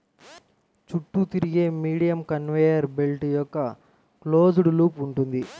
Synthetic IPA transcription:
t͡ʃuʈːut̪iɾiɡe̞ːmiːɽijɐmkɐnʋejɐɾbelʈjɔkːɐ | klo̞ːd͡ʒuɽuluːpuɳʈund̪i

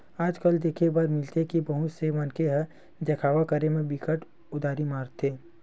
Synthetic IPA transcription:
aːd͡ʒkəld̪eːkʰebaːɾmɪlt̪ekibɐɦʊt̪semɐnkeɦə | d̪ɐkʰaːʋakəɾemẽbɪkʰəʈ | ʊd̪aːɾimaːɾt̪ʰeː

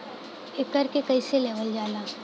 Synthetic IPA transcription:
eːkəɾkekɐiseleːʋəld͡ʒaːlaː

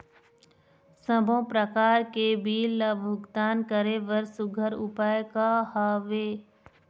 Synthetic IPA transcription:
səbʱõpɾəkaːɾkebiːllɐbʱʊɡt̪aːnkəɾeʋəɾsʊɡʱəɾʊpaːjkahaʋeː

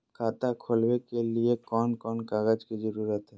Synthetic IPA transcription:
kʰaːt̪akʰolbekeliekɔːnkɔnkaɡad͡ʒkid͡ʒəɾuɾət̪ɦɛ

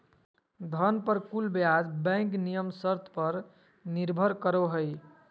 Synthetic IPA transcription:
d̪ʱʌnpəɾkulbjad͡ʒbɛ̃knijəmsəɾt̪ʰpʌɾ | niɾbʱəɾkəɾoɦəj

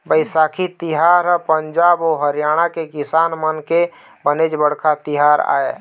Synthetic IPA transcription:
bəɪsakʰit̪iɦaɾəpəɲd͡ʒaːboɦəɾjaɽ̃akekisanmənke | bəned͡ʒbəɽkʰat̪iɦaɾa̰ːe

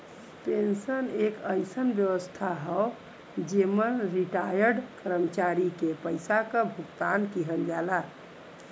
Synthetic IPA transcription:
pensənekəɪsənbjəʋəst̪ʰaɦɔ | d͡ʒemənɾiʈajəɾɖkəɾəmət͡ʃaɾikepəɪsakəbʱukt̪ankiɦəld͡ʒala

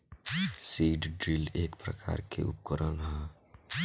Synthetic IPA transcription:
siːɖɖɾileːkpɾəkʰa̰ːɾkʰḛʔṵp̚kəɾənɦɛ̃

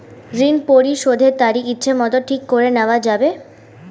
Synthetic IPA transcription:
ɾinpoɾiʃod̪ʱeɾt̪aɾikitːɕʰemɔt̪oʈʰikːoɾeneoad͡ʑabe

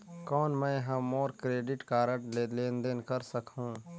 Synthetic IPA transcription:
kɔːnmɛ̃ːɦɐmɔːɾkɾeːɖɪʈkaːɾəʈleleːnd̪enkəɾsəkɦũː

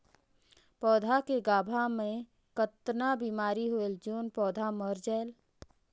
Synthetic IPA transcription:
pɔːd̪ʱakeɡaːbʱamẽ | kət̪nabiːmaːɾiɦoeld͡ʒoːnpɔːd̪ʱaməɾd͡ʒɛːl

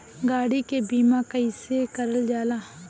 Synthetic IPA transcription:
ɡaːɽikebiːmakaɪsekəɾəld͡ʒaːlaː

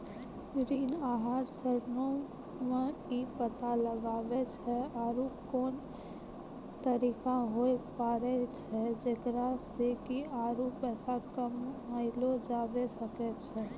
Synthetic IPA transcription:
ɾiːnaːɦaɾsəɾno | meipət̪aləɡaːbɛt͡ʃʰɛaɾukoːn | t̪əɾiːkaɦoepaːɾɛt͡ʃʰɛd͡ʒek̪ɾasekiaːɾupɛːsakəmːəɪlod͡ʒaːbesəkɛt͡ʃʰɛ

